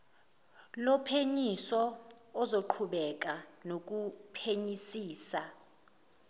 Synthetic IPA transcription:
lɔpʰeɲisɔː | zoǃʰuɓɛk̬anok̬upʰeɲisiːsa

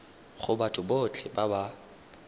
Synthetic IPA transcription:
χʊbatʼʊbot͡ɬʰʼɪbaba

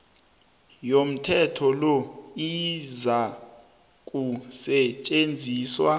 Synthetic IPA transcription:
jom̩tʰɛtʰɔlɔiza | kʼusɛt͡ʃʼend͡zʱiːswa

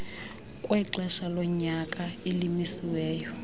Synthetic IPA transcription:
kʼwɛǁɛʃalɔɲakʼailimisiwɛːjɔ

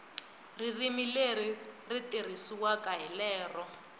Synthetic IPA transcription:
ririmileriritirisiwakaɦilɛːrɔ

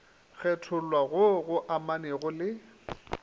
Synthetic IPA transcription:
k͡xʰɛtʰʊlwaɣʊɣʊʔamaneɣʊlɪ

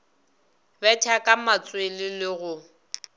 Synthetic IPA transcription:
bɛtʰakʼamat͡sʼwelɪlɪɣʊ

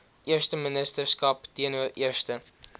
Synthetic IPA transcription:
ʔiərstəmənəstərskɐptiənuəriərstə

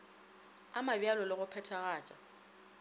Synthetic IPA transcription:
amabjalɔlɪɣʊpʰɛtʰaɣaːt͡ʃʼa

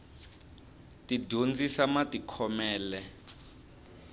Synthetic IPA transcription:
tiɟʱond͡zisamatikʰɔmɛːlɛ

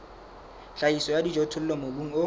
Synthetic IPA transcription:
ɬaisɔjadid͡ʒotʰʊl̩lɔmobuŋ̩o

